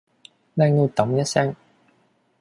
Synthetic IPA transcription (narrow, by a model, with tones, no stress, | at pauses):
lɛː˧ŋno˧t̪ɐ˨˦mjɐ˥t̚sɛː˥ŋ